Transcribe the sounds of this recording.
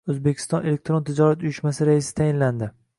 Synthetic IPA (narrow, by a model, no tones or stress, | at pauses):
ɵzbekʲʰɪ̥st̪ɒne̞lek̚ʲt̪ɾont̪ʰɪd͡ʒɒɾat̪ʊjɪʃmasɪɾaɪsɪ̥t̪ʰajɪnland̪ɪ